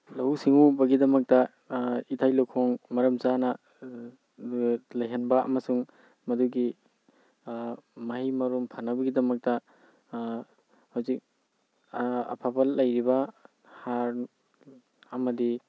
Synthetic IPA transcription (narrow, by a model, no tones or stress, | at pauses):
lɐɦusiŋubɐɡidɐmɐk̚tɐ | itʰajlowkʰɔŋmɐɾɐmzanɐ | lɐjɦɐnbɐɐ̰mɐsuŋ | mɐduɡi | mɐɦimɐɾumpʰanɐbɐɡidɐmɐk̚tɐ | hawzik̚ | ɐ̰pʰapɐlːɐjɾibɐ | haɾ | ɐmɐdi